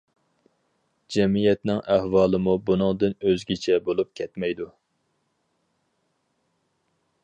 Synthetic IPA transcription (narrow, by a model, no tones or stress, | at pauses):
d͡ʒɛmijɛt̪nɪŋʔæhwɑːlˠɨmubunɨŋd̪ɨnøzɡʲit͡ʃʰɛbolˠup̚kʲʰɛt̪mɛjd̪u